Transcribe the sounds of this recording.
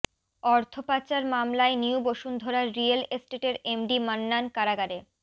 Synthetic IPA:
ɔɾt̪ʰopat͡ɕaɾmamlaeniuboʃund̪ʱoɾaɾːialesʈeʈeɾemɖimanːankaɾaɡaɾe

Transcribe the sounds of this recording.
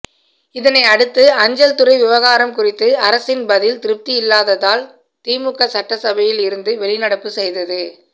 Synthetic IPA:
ɪðɐnɐɪɐɽɯt̪ːɯɐɲd͡ʒɐlt̪ʊrɐɪʋɪʋɐɣaːɾɐmkʊrɪt̪ːɯɐɾɐsɪnbɐðɪlt̪ɪɾɯp̚t̪iɪlːaːðɐðaːl | t̪iːmʊkːɐsɐʈːɐsɐbɐjɪlɪɾɯnd̪ɯʋɛɭɪnɐɽɐpːɯsɛjðɐðɯ

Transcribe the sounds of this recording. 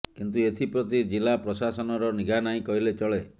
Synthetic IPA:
kint̪uet̪ʰipɾɔt̪id͡ʒilapɾɔsasɔnɔɾɔniɡanaĩkɔɦilet͡ʃɔɭe

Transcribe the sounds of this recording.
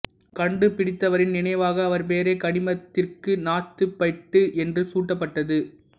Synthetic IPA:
kɐɳɖɯpɪɽɪt̪ːɐʋɐɾɪnnɪnɐɪʋaːɣɐːʋɐɾp̬eːɾeːkɐɳɪmɐt̪ːɪrkɯnaːt̪ːɯpːɐɪʈːɯʔɛndrɯsuːʈːɐpːɐʈːɐðɯ

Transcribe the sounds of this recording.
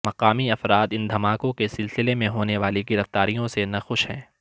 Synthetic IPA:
mɐqaːmiɐfɾaːd̪ɪ̃nd̪ʱɐmaːkõkesɪlsɪlemẽɦoːneʋaːleɡɪɾɐft̪aːɾijõsenɐxʊʃɦɛ̰̃ː

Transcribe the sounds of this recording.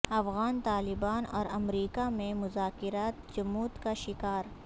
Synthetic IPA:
ɐfɣaːnt̪aːlɪbaːnɔ̰ːɾɐmɾiːkamẽmʊzaːkɪɾaːt̪d͡ʒɐmuːt̪kaʃɪkaːɾ

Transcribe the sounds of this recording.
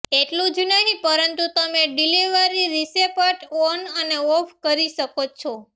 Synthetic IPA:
eʈlũd͡ʒnəɦĩpəɾənt̪ut̪əmeɖiliʋəɾiɾisepaʈɔnəneɔfkəɾiʃəkot͡ʃʰɔ

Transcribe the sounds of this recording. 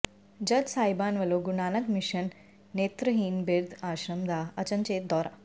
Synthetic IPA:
d͡ʑɐd͡ʒsaːjbaːnʋɐloɡunaːnəkmiɕənː | eːt̪ɾəɦiːnbeɾd̪aːɕɾəmd̪ʱaɐt͡ɕənt͡ɕeːt̪̚d̪ɔːɾa̰

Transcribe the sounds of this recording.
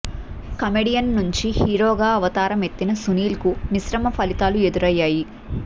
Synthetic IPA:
kɐmeɖijɐnːuɲt͡ʃihiːɾoːɡaːɐʋɐt̪aːɾɐme̞t̪ːinɐsuniːlkumisɾɐmɐpʰɐlit̪aːlue̞d̪uɾɐjːaːji

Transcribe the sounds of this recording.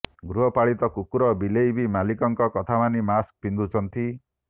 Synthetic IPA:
ɡɾuɦɔpaɭit̪ɔkukuɾɔbilejbimalikɔŋkɔkɔt̪ʰamanimask̚pind̪ut͡ʃʰɔnt̪i

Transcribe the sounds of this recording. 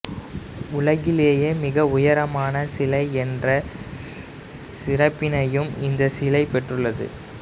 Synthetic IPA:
ʊɭɐɣɪleːjeːmɪɣɐʊjɐɾɐmaːnɐsɪlɐɪɛndrɐ | sɪɾɐpːɪnɐjɯmɪnd̪ɐsɪlɐɪpɛʈrɯɭːɐðɯ̰

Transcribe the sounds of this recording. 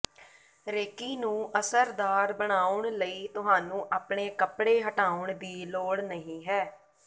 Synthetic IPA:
ɾeːkiːnũːʔəsəɾd̪aːɾbəɳ̃aːʊɳləiːt̪ʊɦaːnũːʔaːpɳeːkəpɽeːɦəʈaːʊɳd̪iːloːɽnəɦĩːɦɛː

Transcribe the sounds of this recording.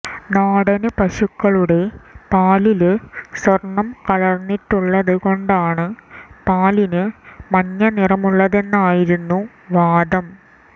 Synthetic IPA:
naːɽɐnɨpɐɕukːɐɭuɽe̞paːlilɨswɐrɳːɐmkɐɭɐrnːiʈːuɭːɐðɨɣo̞ɳɖaːɳɨpaːlinɨmɐɲːɐnirɐmuɭːɐðe̞nːaːjiɾunːu | ʋaːdɐm

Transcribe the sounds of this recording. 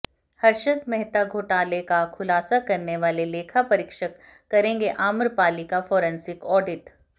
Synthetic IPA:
hɐɾʃək̪mɛɦt̪aɡʱoːʈaːlekakʰʊlaːsakɐɾneʋaːleleːkʰapɐɾɪkʃəkː | ɐɾẽːŋɡeʔaːməɾpaːlikafɔːɾɛ̃nsɪkɔːɖɪʈ

